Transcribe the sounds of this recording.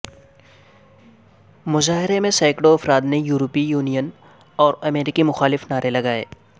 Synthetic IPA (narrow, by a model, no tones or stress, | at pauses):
mʊzaːɦɪɾemẽsaːɪkɽoɐfɾaːt̪nejuːɾopijuːnijən | ɔːɾɐmeːɾɪkimʊxaːlɪfnaːɾelɐɡaːḛː